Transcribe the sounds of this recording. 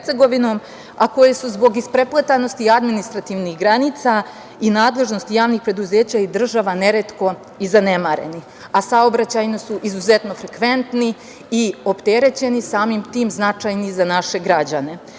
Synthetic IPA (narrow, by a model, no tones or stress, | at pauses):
t̪seɡo̞ʋino̞ːm | akojesuzbo̞ɡispɾe̞plˠat̪ano̞st̪iad̪minist̪ɾat̪iːʋnixɡɾaniːt̪sa | inaːd̪lˠe̞ʒno̞st̪ijaːʋnixpɾe̞d̪uze̞ːt͡ɕaid̪r̩ʒaʋane̞ɾet̪ko̞ | izanemaɾe̞̰ni | asaobɾat͡ɕajnosuʔizuze̞t̪no̞fɾekʋe̞nt̪ni | io̞pt̪eɾe̞t͡ɕe̞nisaːmimt̪iːmznat͡ʂajnizanaʃe̞ɡɾad͡ʑane̞